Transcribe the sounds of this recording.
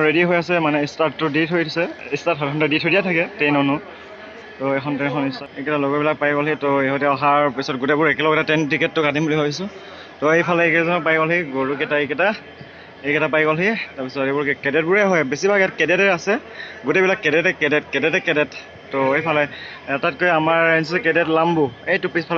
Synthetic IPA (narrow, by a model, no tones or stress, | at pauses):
ɹediɦojasɛmanɛistatːʊditɦojʰsɛistatɦɔɔntɛditɦojdijatʰakɛtɛjnɔnʊ | tɔɛxʰɔntɛɛxʰɔnistaekɛtaloɡɔbilak̚pajɡɔlɦitɔeɦɔtɛɔɦaɹpisɔt̚ɡʊtebʊɹɛkɛlɔɡɔɾtatɛntikɛtːʊkatimbuliɦojbisʊ̃ | tɔejpʰalɛekɛtazɔnɔpajɡɔlɦiɡoɹukɛtaekɛta | ekɛtapajɡɔlɦitaɹpisɔtebɔɹkɛkɛdɛt̚bʊɹɛɦɔjbesibʱaɡɛtkɛdɛtɛasɛ | ɡutebilakːɛdɛtɛkɛdɛtkɛdɛtɛkɛdɛt | tɔejpʰalɛ | ɛtat̚kojamaɹans̬isɛkɛdɛtlambʊejtʊpispʰal